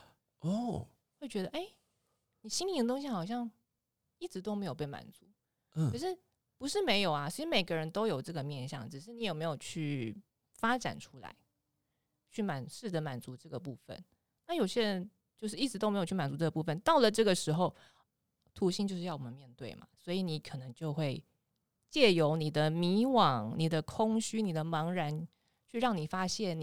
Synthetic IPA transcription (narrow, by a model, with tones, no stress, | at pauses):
ɔ˥˩ | xwe˥˩ɪt͡ɕɥɛ˧˥d̪ə˧ʔe˥˩ɪ | ni˨˩ɕi˥ni˧˥d̪ə˩t̪o˥ŋɕi˧xɑ˨˩ʊɕjɑ˥˩ŋ | i˥˩ʈ͡ʂɻ̩˧˥t̪o˥ʊme˧˥ɪjo˨˩ʊpe˥˩ɪma̰˨˩nt͡su˧˦˩ | ɤ˨˩ʂ̬ɻ̩˥˩ | pu˧˥ʂɻ̩˥˩me˧˥ɪjo˨˩ʊa˦t͡ɕʰʂ̩˥˩me˨˩ɪɡə˧˦ɻə˧˦˥nt̪o˥ʊjo˨˩ʊʈ͡ʂɤ˥˩ɡə˩mjɛ˥˧nɕjɑ̰˥˨ŋʈ͡ʂɻ̩˨˩ʂ̬ɻ̩˥˩ni˧˥jɛ˨˩me˧˥ɪjo˨˩ʊt͡ɕʰy˥˩ | fa˥ʈ͡ʂa̰˨˩nʈ͡ʂʰu˥la̰˧˦ɪ | t͡ɕʰy˥˩ma˨˩nʂɻ̩˥˩d̪ə˩ma˨˩nt͡su˧˥ʈ͡ʂɤ˥˩ɡə˩pu˥˧fə̰˨n | na˥˩jo˨˩ʊɕjɛ˥ɻə˧˦n | t͡ɕjo˥˧ʂ̬ɻ̩˥˩i˥˩ʈ͡ʂɻ̩˧˥t̪o˥ʊme˧˥jʰy˥˩ma˨˩t͡su˧˥ʈ͡ʂɤ˥˩ɡə˩pu˥˧˩fə˨nt̪ɑ˥˩ʊlə˨˩ʈ͡ʂɤ˥˩ɡə˩ʂɻ̩˧˥xo˥˧ʊ | t̪ʰu˧˥ɕi˥nt͡ɕjo˥˧ʊʂɻ̩˥jɑ˥˩wɔ˨˩mə˦nmjɛ˥˧nt̪we˥˩ɪma̰˩swɔ˧˥i˨ni˨˥kʰɤ˨˩nɤ˧˦ŋt͡ɕjo˥˧ʊxwe˥˧ɪ | t͡ɕjɛ˥˩jo˧˥ʊni˨˩d̪ə˦mi˧˥wɑ˨˩˦ŋni˨˩d̪ə˦kʰʊ˥ŋɕy˥ni˨˩d̪ə˦mɑ˧˥ŋɻa˧˥n | t͡ɕʰy˥˧ɻɑ˥˩ŋni˨˩fa˥ɕjɛ˥˩n˨